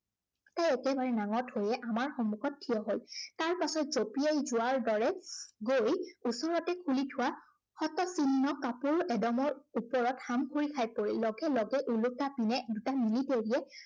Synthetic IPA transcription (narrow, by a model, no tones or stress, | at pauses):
tajɛkɛbaɹɛnaŋɔthojɛʔamaɹxɔmːukɔt̚ʰːijɔɦoltaɹpasɔtzopiejzʊwaɹdɔɹɛɡojusɔɹɔtɛkʰulitʰʊwa | xɔtɔsinːɔkapuɹɛdɔmɔɹupɔɹɔthamkʰuɹikʰajpoɹilɔɡɛlɔɡɛʔulʊtapinɛdutamiliteɹiɛ